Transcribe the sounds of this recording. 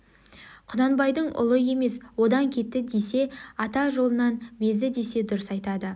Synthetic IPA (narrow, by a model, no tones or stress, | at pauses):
qʰʊnɑnbɑjd̪əɴʔʊ̰lˠəje̞me̞swo̞d̪ɑŋkʲʰe̞t̪ːɪd̪e̞se̞ɑt̪ɑʒo̞lˠənɑnbe̞zd̪ɪd̪e̞se̞d̪ʊɾəsɑjt̪ɑd̪ə